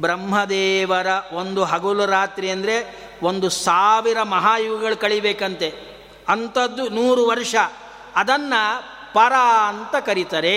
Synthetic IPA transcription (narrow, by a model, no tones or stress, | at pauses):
bɾɐmɦɐd̪eːʋɐɾɐo̞nd̪uɦɐɡulɐɾaːt̪ɾiɐnd̪ɐɾe | o̞nd̪usaːʋiɾɐmɐɦaːjuɡɐɡɐɭukɐɭibeːkɐnt̪e̞ | ɐnt̪ɐd̪ːunuːɾuʋɐɾʂɐː | d̪ɐnːɐ | pɐɾaːɐnt̪ɐkɐɾit̪aːɾe